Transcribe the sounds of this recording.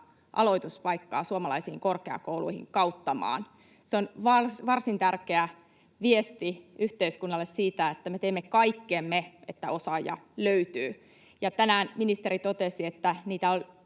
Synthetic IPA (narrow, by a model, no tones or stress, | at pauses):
ʔɑ̰lo̞it̪uspɑikːɑ̰ːsuomɑlɑisiːŋkorkeɑ̰koulṵihḭŋkɑut̪ːɑmɑ̰ːn | seonʋɑrsʋɑrsint̪ærkeæ | ʋiest̪iyht̪eiskunːɑlːessiːt̪æet̪ːæmet̪eːmːekɑikːemːeet̪ːæo̞sɑjɑ̰løyt̪yː | jɑt̪ænæːnminist̪eɾit̪ot̪esiet̪ːæniːt̪æol